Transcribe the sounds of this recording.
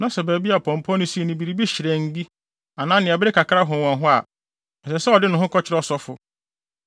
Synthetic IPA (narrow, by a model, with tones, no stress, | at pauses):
nã˦sɛ˨bæ˨bi˦a˨pʰɔ̃˨m˨pʰɔ̃˦nʊ̃˦si˦e˨nĩ˨bi˨ɾi˨bi˦ɕɪ˨ɾɛ˨n̩˦di˦ | a˨nãː˦nɪ̃˨ɛ˨bɪ˦ɾɪ˦kʰa˨kʰɾa˦ɦʊ̃˨wɔ̃˨nɦʊ̃˦a̰˨ | ɛ˨sɛ˨sɛ˦ɔ˨dɪ˦nʊ̃˨hɦʊ̃˦kʰɔ˦t͡ɕʰɪ˨ɾɔ˦sɔ˦fʊ˨